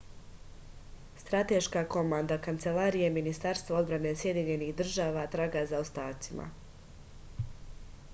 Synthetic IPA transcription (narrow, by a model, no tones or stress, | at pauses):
st̪ɾat̪eʃkako̞mand̪akant̪se̞laːɾije̞minist̪aɾst̪vao̞d̪bɾane̞sje̞d̪iɲe̞nixd̪r̩ʒaːʋat̪ɾaːɡazao̞st̪aːt̪sima̰